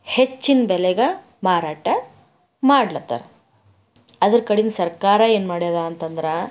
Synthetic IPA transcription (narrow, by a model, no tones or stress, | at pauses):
het͡ʃːinbɛlɛɡɐ | maːɾaːʈɐ | maːɽlɐt̪ːɐ̰ɾ | ɐd̪ɐɾkɐɽinsɐɾkaːɾɐeːnmaːɽijɐd̪aɐnt̪ɐnd̪ɐɾɐ